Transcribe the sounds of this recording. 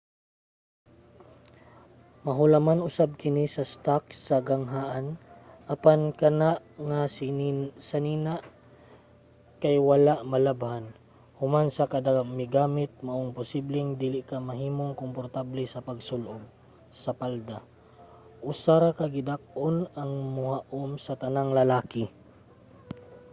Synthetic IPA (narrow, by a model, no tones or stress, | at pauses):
maɦʊlamanʔʊsab̚kɪnisɐst̪ak̚saɡaŋɦaʔanʔapankanaʔŋassaniːnaʔ | kajwalaʔmalabhan | hʊmansakad̪amɪɡaːmɪt̪̚maʔoŋpʊsiblɪŋd̪ilɪʔkamɐɦiːmoŋkompoɾt̪ablɛsɐpaɡsʊlʔob̚ | sɐpald̪a | ʔʊsaɾakaɡɪd̪ak̚ʔonaŋmʊhaʔomsɐt̪ɐnaŋlɐlaːkɪ